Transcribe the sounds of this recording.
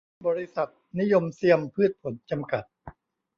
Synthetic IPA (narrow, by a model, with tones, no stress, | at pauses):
bɔː˧ɾi˦˥sa˨˩t̪̚ni˦˥jo˧msi˧əmpʰɯ˥˩t̪̚pʰo˩˦nt͡ɕa˧mka˨˩t̪̚